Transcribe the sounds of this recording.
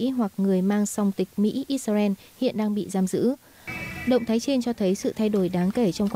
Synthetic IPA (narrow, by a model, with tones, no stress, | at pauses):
i˧˥ɦwa˨˩k̚ŋɨ˨˩əjmaː˧ŋsa˧wŋ͡mt̪ï˨˩k̟̚mḭ˧˥ʔi˧sa˧zɛ˧n | hḭ˧˨ənɗaː˧ŋɓḭ˧˨zaː˧mzɨ̰˧˥ | ɗə̰˧˨wŋ͡mt̪ʰːjt͡ɕe˧nt͡ɕɔ˧t̪ʰə˨˦jsɨ̰˧˨t̪ʰa˧jɗo˧˩jɗaː˨˦ŋke˧˩t͡ɕɔ˧wŋ͡mkwa˧